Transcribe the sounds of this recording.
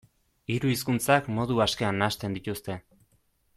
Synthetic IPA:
iɾuiskunt͡sakmo̞ðuaske̞anːast̪e̞nd̪it̪ust̪e̞

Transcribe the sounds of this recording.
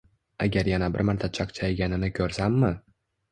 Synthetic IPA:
a̰ɡʲaɾjanabɪ̰ɾmaɾt̪ʰat͡ʃʰakt͡ʃʰajɡʲanɪnɪkʲʰɵɾsamːɪ

